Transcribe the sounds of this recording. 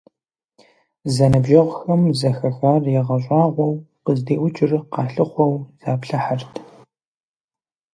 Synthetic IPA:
zɐnɐbʒɐʁʷxɐmzɐxɐxaːrjɛʁɐɕʷʼɑːʁʷɔw | qəzdeːʔʷʊt͡ʃʼɪrqɑːɬɨχʷɔwz̥aːpɬɐħartʰ

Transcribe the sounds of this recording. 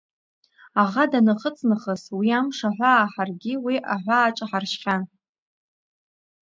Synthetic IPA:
aʁadanɨχət͡sʼnɨχəswiamʂaħʷaːħarɡʲiwiʔaħʷaːʈ͡ʂʼaħarʃχʲa

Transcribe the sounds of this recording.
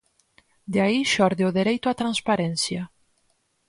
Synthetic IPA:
d̪eaiʃɔɾðeʊðeɾejt̪ʊat̪ɾanspaɾɛnsja

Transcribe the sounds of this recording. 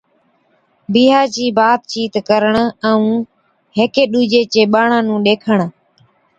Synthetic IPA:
biːɦaːd͡ʒiːbaːt̪̚t͡ʃiːt̪kəɾəɳɛ̃ːũː | ɦeːkeːɗuːd͡ʒeːt͡ʃeːɓaːɳãːnũːɗeːkʰəɳ

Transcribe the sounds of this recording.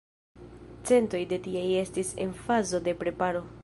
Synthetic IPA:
t͡se̞nto̞jde̞tieje̞stise̞̰nfazo̞de̞pɾe̞paɾo̞

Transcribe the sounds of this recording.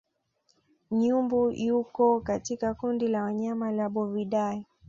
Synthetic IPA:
ɲumbujukɔkatikakundilawaɲamalaɓɔviɗai

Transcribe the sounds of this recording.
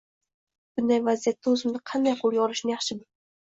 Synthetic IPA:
b̥ʊnd̪ajvazijat̪ːaɵzɪmnɪqʰɑnd̪ajqʰolˠjɒɾɪʃnɪjɑχʃɪbʊ

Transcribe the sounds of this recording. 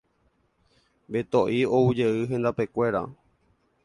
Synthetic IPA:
bet̪oʔioud͡ʒe̞ɨɦẽ̞nd̪ape̞kʷe̞ɾa̰

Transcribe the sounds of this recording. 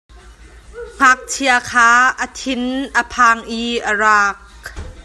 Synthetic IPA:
ŋ̥ak̚t͡sʰiakʰaːʔət̪ʰɪnʔəpʰaːŋʔiʔəraːk̚

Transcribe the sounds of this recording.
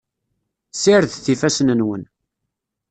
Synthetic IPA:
siɾðθifæsnənwən

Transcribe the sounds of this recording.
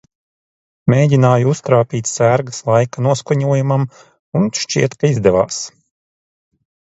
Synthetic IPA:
mʲeːɟʲinaːjuust̪ɾaːpʲiːt̪ʲsæɾɡaslˠajkanuɔskuɲuɔjumam | unʃt͡ʃiɛt̪kaizd̪ɛva̰ːs

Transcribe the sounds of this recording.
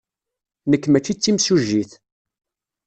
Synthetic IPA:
nəkːmæt͡ʃːit͡sːimsuʒiθ

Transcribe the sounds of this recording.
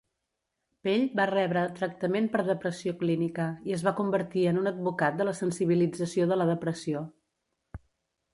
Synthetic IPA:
peʎbarɛβɾət̪ɾək̚t̪əmempəɾðəpɾəsioklinikəiəzβakumbəɾt̪iənunəd̪̚bukat̪̚d̪ələsənsiβ̞ilid͡zəsioðələðəpɾəsio

